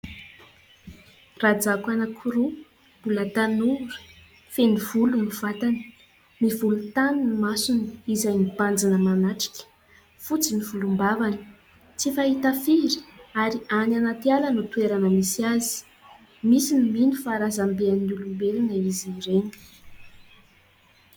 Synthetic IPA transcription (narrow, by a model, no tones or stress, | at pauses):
rad͡zakanakʰuɾu | b̥ulat̪anuɾə̥ | fenivuluniv̥at̪ani̥ | mivulut̪aninimasuniizajnipand͡zinəmanaʈ͡ʂi̥kʲə̥ | fut͡simivulumbavaniə̥ | t͡sifaɦit̪afiɾi̥aɾiananat̪ialənut̪weɾanəmisazi̥ | misiniminufaɾazambeanulumbelinaiziiɾenə̥